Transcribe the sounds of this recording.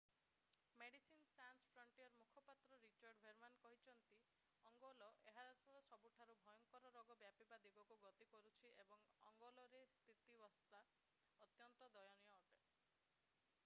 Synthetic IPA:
meɽisinsanspʰɾɔɳʈijɔɾmukʰɔpat̪ɾɔɾit͡ʃaɾɖbʱeɾmankɔɦit͡ʃʰɔnt̪i | ɔŋɡɔlɔʔeɦasɔɾɔsɔbuʈʰaɾubʱɔjɔŋkɔɾɔɾɔɡɔbjapibad̪ibɔkɔɡɔt̪ikɔɾut͡ʃʰiʔebɔŋɔ̰ŋɡɔlɔɾest̪ʰit̪ibɔst̪a | ɔt̪jɔnt̪ɔd̪ɔjɔnijɔːʈe

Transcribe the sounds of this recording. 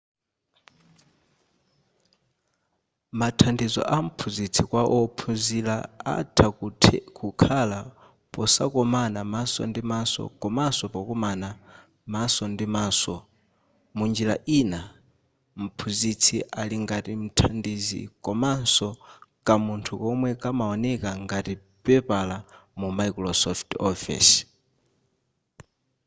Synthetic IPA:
matʰandizɔ̰ʔam̩pʰuzit͡sʰikwaʔɔpʰuzilaa̰tʰatʰkʰukʰala | pɔsakɔmanamasɔ̰ndimasɔ̰kɔmasɔpɔkɔmana | masɔndimaːsɔ | mund͡ʒila̰ʔina | m̩pʰuzit͡sʰiʔaliŋɡatim̩tʰandizḭkɔmansɔkamuntʰukɔmwɛkamaɔnɛkaŋɡati | pɛpalamumajkɾɔsɔftɔfḭs

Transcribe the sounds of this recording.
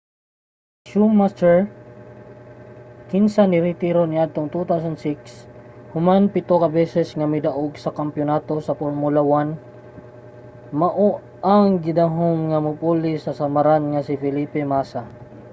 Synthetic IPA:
ʃumːast̪ɛɹ | kinsanɪɾɪt̪iɾonɪʔad̪̚t̪oŋt̪ut̪aws̬ɐnd̪sikshʊmanpɪt̪okɐbɛːsɛsŋɐmɪd̪ɐʔoɡsɐkɐmpjʊnaːt̪o̞sɐpoɹmʊlawan | mɐʔo | aŋɡɪd̪aɦoŋːɐmʊpulɪsɐsɐmaɾanŋɐsɪfɪliːpɛmasa

